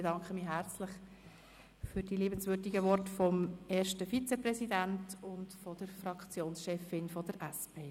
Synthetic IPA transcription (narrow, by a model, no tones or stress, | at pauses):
dɑŋkχəmiːɦæɾt͡slɪχ | fyɾd̥iliːbən̩sʋʏɾdiɡəʋɔrtfɔmeːʃtəfit͡sɛprɛsidæntʊntfɔd̥əɾfɾɑkχt͡sjoːnsʃɛfɪnfɔd̥əɾʔæspʰeː